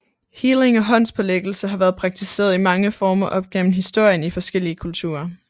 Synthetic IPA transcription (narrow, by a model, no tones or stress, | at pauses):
hiːle̝ŋɒ̽ɦɒ̽n̰spʰɒ̽leɡ̥l̩səɦɑ̈ʋæːɐð̞ˠpʰʁɑ̈ɡ̥̚t͡sʰise̝̰ːɐð̞̩ˠimɑ̈ŋəfɒːmɒʔɒ̽b̥̚ɡ̥en̰m̩ɦisd̥o̝ɐ̰jənifɒ̽sɡ̥el̰iəkʰult͡sʰṵːɐ